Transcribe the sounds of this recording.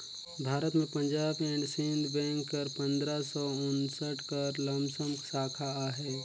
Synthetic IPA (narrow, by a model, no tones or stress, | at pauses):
bʱaːɾət̪mẽpə̃ɲd͡ʒaːbɛ̃ɳɖsɪ̃nd̪bɛ̃ːŋkːɐɾpə̃nd̪ɾasɔːʊnsəʈkəɾlə̃mbsəmksaːkʰaaːɦɛː